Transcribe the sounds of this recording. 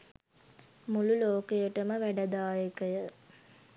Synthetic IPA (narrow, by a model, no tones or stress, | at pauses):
mululoːkejəʈəməʋæɖɐd̪aːjekəjə